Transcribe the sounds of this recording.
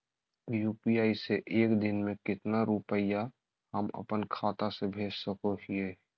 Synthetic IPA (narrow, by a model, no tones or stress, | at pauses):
juːpijaːiseʔeːkd̪ɪnmẽkɪt̪naɾʊpəja | həmə̰pənkʰaːt̪asebʱeːd͡ʒsəkoɦie